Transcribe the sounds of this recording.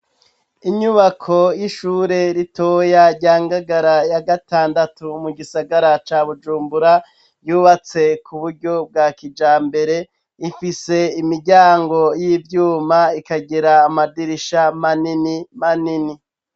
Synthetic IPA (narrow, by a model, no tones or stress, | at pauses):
iɲuβakʰo̞jiʃuːɾe̞ɾitojaɾɟaːŋɡaɡaɾajaɡataːndatumuɡisaɡaɾat͡ʃaːβud͡ʒuːmbuɾa | juːβat͡se̞kʰuβuɾɟo̞b̚ɡaːkid͡ʒaːmbe̞ɾe̞ | ifise̞imiɾɟaːŋɡo̞jivjuːmaikaɡiɾaːmadiɾiʃamaninimanini